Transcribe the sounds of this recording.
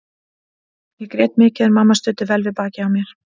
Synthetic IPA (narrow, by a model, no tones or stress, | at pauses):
jɛkɾjɛːt̪mɪːcɪðɾmamːast̪ʏːt̪ɪvɛlvɪpaːcɪawmjɛɾ̥